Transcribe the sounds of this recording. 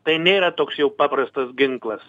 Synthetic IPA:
t̪ɐɪnʲeːɾɐt̪oːksjɛʊpɑːpɾɐst̪ɐsɡʲɪŋklˠɐs

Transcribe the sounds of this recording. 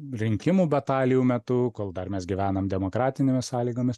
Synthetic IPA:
ɾʲɪŋʲkʲɪmuːbʲɛt̪ɑːlʲɪjuːmʲɛt̪ʊkoːlˠd̪ɐrmʲɛsɡʲiʋʲæːnɐmd̪ʲɛmoːkɾɑːt̪ʲɪnʲeːmʲɪssɑːlʲiːɡoːmʲɪs

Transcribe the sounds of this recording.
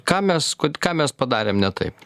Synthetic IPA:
kɑːmʲɛskokɑːmʲɛspɐd̪ɑːɾʲeːmnʲɛt̪ɐ̰ɪp

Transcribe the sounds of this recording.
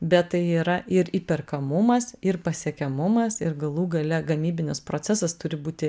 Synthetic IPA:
bʲɛt̪t̪ɐɪiːɾɐʔɪɾiːpʲɛrkɐmʊmɐsɪɾpɐsʲiɛkʲɛmʊmɐsɪɾɡɐlˠuːɡɐlʲɛɡɐmʲiːbʲɪnʲɪspɾoːsʲɛsɐst̪ʊɾʲɪbuːt̪ʲɪ

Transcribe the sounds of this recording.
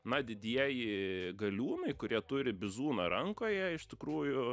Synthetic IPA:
nɐd̪ʲɪd̪ʲiɛjɪɡɐlʲuːnɐɪkʊɾʲiɛt̪ʊɾʲɪbʲɪzuːnɐɾɐŋkoːjɛɪʃt̪ʲɪkɾuːjʊ

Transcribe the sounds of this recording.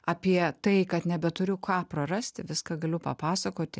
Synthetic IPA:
ɐpʲiɛt̪ɐɪkɐt̪nʲɛbʲɛt̪ʊɾʲʊkʰɑːprɐrɐsʲt̪ʲɪʋʲɪskɐɡɐlʲʊpɐpɑːsɐkoːt̪ʲɪ

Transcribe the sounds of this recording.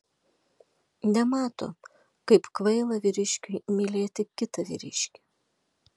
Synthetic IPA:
nʲɛmɑːt̪o̰ː | kɐɪpkʋɐɪlˠɐʋʲɪɾʲɪʃʲkʲʊɪmʲilʲeːt̪ʲɪkʲɪt̪ɐʋʲɪ̰ɾʲɪ̰ʃʲkʲɪ̥

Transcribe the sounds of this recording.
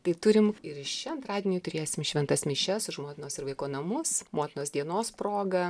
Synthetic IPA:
t̪ɐɪt̪ʊɾʲɪmɪɾɪʃt͡ʃʲɛɐnt̪ɾɑːd̪ʲiɛnʲiːt̪ʊɾʲeːsʲɪmʃʲʋʲɛnt̪ɐsmʲɪʃʲɛsʊʃmoːt̪ʲɪnoːsɪɾʋɐɪkoːnɐmʊsmoːt̪ʲɪnoːsd̪ʲiɛnoːspɾoːɡɐ

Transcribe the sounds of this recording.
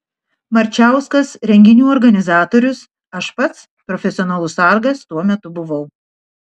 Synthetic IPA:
mɐɾʲt͡ʃʲæˑʊskɐsɾʲɛŋʲɡʲɪnʲuːɔɾɡɐnʲɪzɑːt̪oːɾʲʊs | ɐʃpɐt̪s | pɾɔfʲɛsʲɪɔnɐlˠʊsɐˑɾɡɐst̪uɔmʲɛt̪ʊbʊʋɐʊ

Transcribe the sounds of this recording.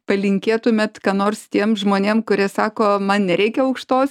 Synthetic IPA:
pɐlʲɪŋʲkʲeːt̪ʊmʲɛt̪kɑːnoːrst̪ʲiɛmʒmoːnʲeːmkʊɾʲiɛsɑːkoːmɐnnʲɛɾʲɛɪkʲɛɐʊkʃt̪oːs

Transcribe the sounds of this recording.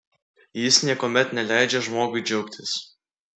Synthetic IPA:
jɪsnʲiɛkoːmʲɛt̪nʲɛlʲæˑɪd͡ʒʲɛʒmoːɡʊɪd͡ʒʲɛʊkt̪ʲɪs

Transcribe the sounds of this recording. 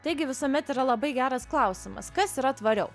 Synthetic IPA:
t̪ɐɪɡʲɪʋʲɪsoːmʲɛt̪iːɾɐlˠɐbɐɪɡʲæːɾɐsklˠɐʊsʲɪmɐ̰skɐsiːɾɐt̪ʋɐɾʲɛʊ

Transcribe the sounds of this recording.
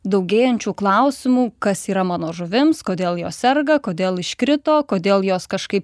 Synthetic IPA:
d̪ɐʊɡʲeːjɛnʲt͡ʃʲuːklˠɐʊsʲɪmuːkɐsiːɾɐmɑːnoːʒʊʋʲɪmskoːd̪ʲeːlˠjoːssʲɛɾɡɐkoːd̪ʲeːlˠɪʃʲkɾʲɪt̪oːkoːd̪ʲeːlˠjoːskɐʃkɐɪp

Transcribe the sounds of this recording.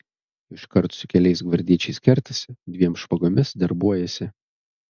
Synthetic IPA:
ɪʃkɐɾt̪sʊkʲɛlʲɛɪs̬ɡʋɐɾʲd̪ʲiɛt͡ʃʲɛɪskʲɛɾʲt̪ɐsʲd̪ʲʋʲiɛmsʃpɐɡoːmʲɪsd̪ɐɾbuɔjɛsʲɪ

